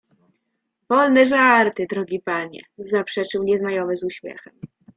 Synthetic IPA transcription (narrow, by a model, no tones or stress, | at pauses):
vɔlnɛʐaɾt̪ɘd̪ɾɔɡʲipaɲɛ̰zapʂɛt͡ʂɘwɲɛznajɔmɘzuɕmʲjɛ̰xɛm